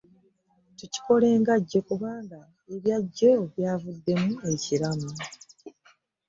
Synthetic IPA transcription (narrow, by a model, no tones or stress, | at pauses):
tuci̥ko̞le̞ːŋɡaɟːe̞kuβaːŋɡa | eβjaɟːo̞βjaːvud̪ːe̞mue̞ciɾama